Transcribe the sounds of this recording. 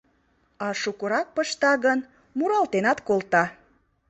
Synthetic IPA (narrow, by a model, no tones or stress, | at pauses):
ɑʃukuɾɑk̚pəʃt̪ɑɣən | muɾɑlt̪enɑt̪kolt̪ɑ